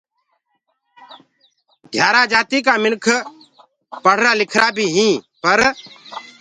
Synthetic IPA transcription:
d̪ʱjaːɾaːd͡ʒaːt̪iːkaːmɪnkʰ | pəɽ̤ɾaːlɪkʰɾaːbʱiːɦĩːpəɾ

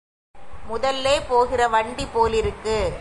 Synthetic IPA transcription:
mʊðɐlːeːpoːɣɪrɐʋɐɳɖipoːlɪɾɯkːɯ

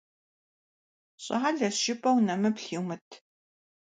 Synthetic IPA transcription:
ɕʼɐħaɮɐʃɪpʼɐwnɐmɨpɬiːwmɨtʰ

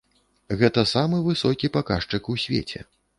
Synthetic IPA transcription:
ɣɛt̪ɐsamɨvɨsɔkʲipakaʂt͡ʂɨkusʲvʲḛt͡sʲɛ̰

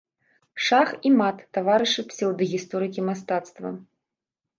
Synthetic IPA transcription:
ʂaximat̪ːavaɾɨʂɨpsʲɛwd̪ɐɣʲist̪ɔɾɨkʲimas̬t̪at̪st̪vɐ̰

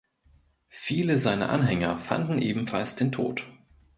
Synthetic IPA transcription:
fiːləzaɪnɐ̰ʔa̰nɦɛŋɐ̰fa̰ndn̩ʔeːbm̩falsd̥eːntʰo̰ːt

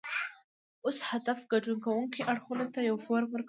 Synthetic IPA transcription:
oshad̪afɡaɖuŋkawuŋkiʔaɽxunat̪ajawfoɾwəɾk

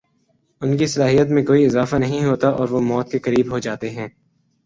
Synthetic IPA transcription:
ʊnkisɐlaːɦijət̪mẽkoːiɪzaːfanɐɦĩɦoːt̪aʔɔːɾʋomɔːt̪̚kekɐɾiːbɦod͡ʒaːt̪eɦɛ̃ː

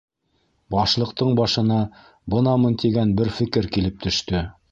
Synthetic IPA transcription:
bɑʃlˠɤ̆qt̪ɤɴbɑʃɤ̆nɑ | bɤnɑmɤnt̪iɡænbɘɾfɘ̆kɘɾkilɘp̚t̪ɵ̆ʃt̪ɵ

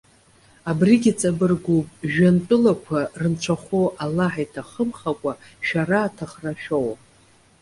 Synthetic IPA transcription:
abriɡʲit͡sʼabɨrɡʷupʼʒᶣantʼʊlakʷʰarɨnt͡ʃʷʰaχʷoʔalaħajtʰaχəmχakʷʼa | ʃᶣaraːtʰaχraʃᶣow

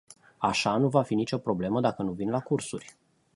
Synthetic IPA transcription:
aʃanuvafinit͡ʃo̞pɾo̞ble̞məd̪akənuvinlakursurʲ

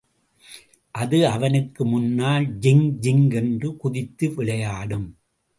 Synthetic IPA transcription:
ʔɐðɯɐʋɐnɯkːɯmʊnːaːld͡ʒɪŋd͡ʒɪŋɡɛndrɯkʊðɪt̪ːɯʋɪɭɐjaːɽɯm

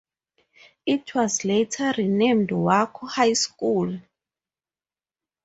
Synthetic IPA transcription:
itʰwɔzletʰaɾinẽmdwakʰɔhajskul

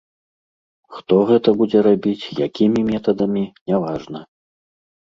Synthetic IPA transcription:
xt̪ɔɣɛt̪ɐbud͡zʲɛɾabʲit͡sʲjakʲimʲimʲɛt̪ɐd̪ɐmʲinʲavaʐnɐ

